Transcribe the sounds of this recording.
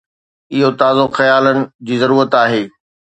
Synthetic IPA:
ɪɦot̪aːzoxɐjaːlənɪ̆d͡ʑiːzɐɾuːɾət̪aːɦeː

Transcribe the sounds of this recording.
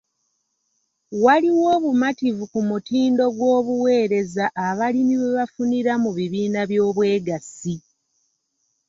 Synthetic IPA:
waliwo̞ːβumativukumutiːndo̞ɡwo̞ːβuwe̞ːɾe̞zaʔːβalimiβe̞βafuniɾamuβiβiːnaβjo̞ːβwe̞ːɡasi

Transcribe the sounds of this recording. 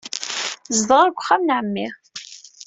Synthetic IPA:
zdˤəʁæɾɡʷːχːamnʕəmːiʁ

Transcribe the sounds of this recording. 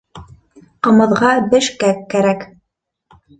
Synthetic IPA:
qɤ̆mɤ̆ðʁɑbɘ̆ʃkækːæɾæk

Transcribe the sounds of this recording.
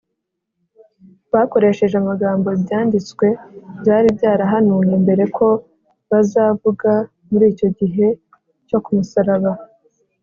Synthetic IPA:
βako̞ɾe̞ʃe̞ʒamaɡaːmbo̞bjaːndit͡skwe̞bjaːɾibɟaːɾaɦanuːŋembe̞ɾe̞kʰo̞ | βazaːvuɡa | muɾiːco̞ɟiɦe̞ | co̞kumusaɾaβa

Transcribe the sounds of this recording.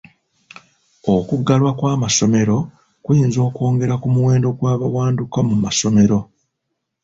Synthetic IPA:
okuɡːalwakwaːmaso̞me̞ɾo̞ | kwiːnzo̞ːko̞ːŋɡe̞ɾakumuwe̞ːndo̞ɡwaːβawaːndukamumaso̞me̞ɾo̞

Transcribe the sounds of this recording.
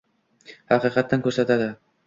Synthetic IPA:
haqiːqɑt̪ːankɵɾsat̪ad̪ɪ

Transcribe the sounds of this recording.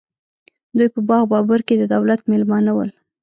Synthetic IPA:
d̪ujpəbɑɣbɑbaɾked̪əd̪awlat̪melmɑnawəl

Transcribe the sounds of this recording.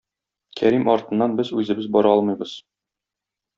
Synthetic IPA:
kʰæɾimɒɾt̪ɤ̆nːɑnbɘzʉzɘ̆bɘzbɒɾɑɒlˠmɤ̆jbɤz̥

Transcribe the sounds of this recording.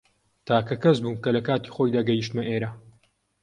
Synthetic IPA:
t̪ʰaːkɐkɐzbuːmkɐlɐkaːt̪iːxojd̪aːɡɐjiʃt̪mɐʔeːɾa

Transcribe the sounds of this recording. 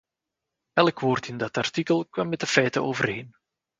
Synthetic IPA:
ɛləkʋoːrtɪndɑtɑrtikəlˠkʋɑmːɛtəfɛjtəoːvərɦeːn

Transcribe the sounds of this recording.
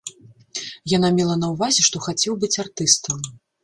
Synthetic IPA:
janamʲɛlˠɐnɐwvazʲɛʂt̪ɔxat͡sʲɛwbɨt͡sʲart̪ɨst̪ɐm

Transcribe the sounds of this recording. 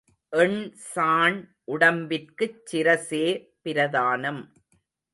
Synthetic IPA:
ʔɛɳsaːɳʔʊɽɐmbɪrkɯt͡ʃːɪɾɐseː | pɪɾɐðaːnɐm

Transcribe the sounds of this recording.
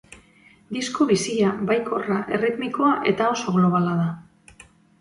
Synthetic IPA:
d̪iskoβisiaβajko̞raʔe̞rit̪miko̞aʔe̞t̪ao̞so̞ɣlo̞β̞alað̞a

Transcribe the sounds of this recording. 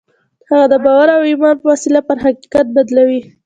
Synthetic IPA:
haɣad̪əbɑwaɾawimɑnwasilapəɾɦaqi̥kat̪̚bad̪lawi

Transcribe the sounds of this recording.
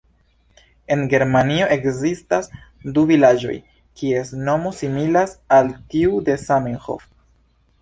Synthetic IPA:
e̞nɡe̞ɾmanio̞ʔe̞kzistas | duvilad͡ʒo̞̰j | kʰie̞sno̞mo̞similasaltiude̞samenxo̞̰f

